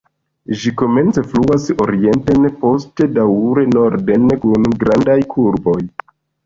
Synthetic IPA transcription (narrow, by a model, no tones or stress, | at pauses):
ʒiko̞me̞nt͡se̞fluaso̞̰ɾie̞nte̞npo̞ste̞dawɾe̞no̞ɾde̞nkunɡɾandajkʰuɾbo̞j